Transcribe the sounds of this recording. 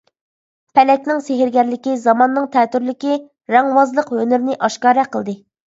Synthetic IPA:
pʰɛlɛkʲnɪŋseɦɪɾɡʲɛɾlɪkʲizɑmɑnːɨŋt̪ʰɛt̪yɾlɪkʲi | ɾɛŋwɑzlˠəqhønɪɾnɪʔɑʃkɑːɾɛqʰəlˠd̪ɨ

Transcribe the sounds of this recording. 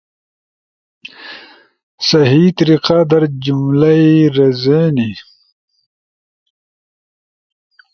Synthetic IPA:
sɐɦit̪ɾiqaːd̪ɐɾd͡ʑumlɐiɾɐzeni

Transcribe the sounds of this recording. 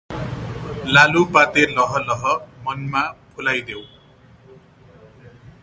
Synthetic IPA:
lalupat̪elʌɦʌlʌɦʌmʌnmapʰulajd̪ew

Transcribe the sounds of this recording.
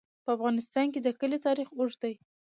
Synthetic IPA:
pəafɣɑnɪst̪ɑnked̪əkəlit̪ɑɾixoʒd̪aj

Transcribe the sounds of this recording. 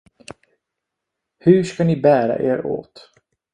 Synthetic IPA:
hɵʂkanɪbæːɾa̰ʔeːɾo̰ːt̪

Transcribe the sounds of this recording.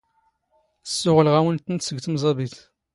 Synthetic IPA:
sːʊʁəlʁæwənt̪ənt̪səɡt̪əmzˤɑbiθ

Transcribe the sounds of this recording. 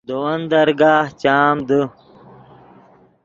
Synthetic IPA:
d̪owɐnd̪ɐɾɡaːht͡ɕaːmd̪ə

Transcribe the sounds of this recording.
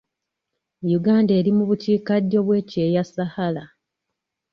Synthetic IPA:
juɡaːnde̞ːɾimuβuciːkadːo̞βwe̞ːce̞ːjasahala

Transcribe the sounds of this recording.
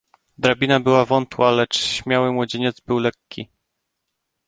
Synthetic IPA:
d̪ɾabʲinabɘwavɔnt̪walɛt͡ʂɕmʲjawɘmwɔd͡ʑeɲɛd̪zbɘwlɛkʲːi

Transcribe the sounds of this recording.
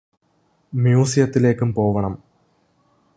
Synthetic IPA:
mjuːsijɐt̪ːile̞ːkːumpo̞ːʋɐɳɐm

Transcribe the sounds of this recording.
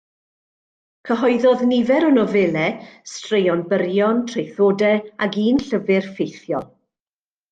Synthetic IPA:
kʰəɦɔɨðɔðnɪvɛɾənɔvɛlˠɛstrejɔnbəɾjɔntʰr̥ejθoːdɛaɡiːnɬəvɪrfejθjɔlˠ

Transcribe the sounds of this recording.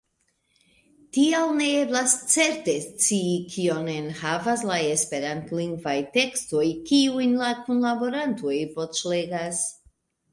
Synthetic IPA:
tiawne̞eblast͡se̞ɾte̞st͡siːkʰio̞nenhavaslae̞spe̞ɾantliŋɡvajte̞ksto̞jkiujnlakunlabo̞ɾanto̞jvo̞t͡ʃle̞ɡas

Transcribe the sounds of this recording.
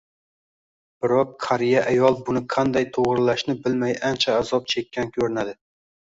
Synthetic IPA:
b̥ɪɾɒqːʰaɾijaʔajɒlˠbʊnɪqʰɑnd̪ajt̪ʰoʁɾɪlaʃnɪbɪlmajant͡ʃʰaːzɒp̚t͡ʃʰe̞kʲːankʲʰɵɾɪnad̪ɪ

